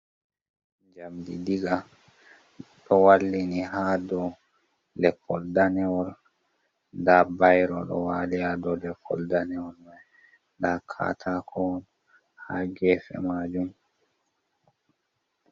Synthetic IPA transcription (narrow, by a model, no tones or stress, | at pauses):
d͡ʒamdḭdiɡa | ɗɔwalːiniɦaːdɔ | lɛkːɔldanɛwɔl | ndaːbajɾɔɗɔ̰waːlijadɔlɛkʰːɔ̰ldanɛwɔlmaj | dakʰa̰tʰakʰɔwɔn | ha̰ɡɛːfɛ̰maːd͡ʒum